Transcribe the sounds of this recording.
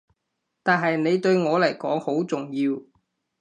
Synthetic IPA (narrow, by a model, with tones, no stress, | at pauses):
t̪aː˨nɦɐ˨jne˨˧jt̪ɵ˧ɥŋɔː˨˧lɐ˨˩jkɔː˨˥ŋho˨˥wt͡sʊ˨˩ŋjiː˧w